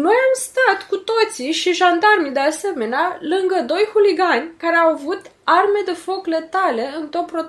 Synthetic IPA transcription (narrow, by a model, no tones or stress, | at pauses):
no̞jamst̪at̪kut̪o̞t̪siʃiʒand̪armid̪e̞ase̞me̞nealɨŋɡəd̪o̞jxuliɡanʲkaɾeawavut̪arme̞d̪e̞fo̞kle̞t̪ale̞ɨnt̪opːɾo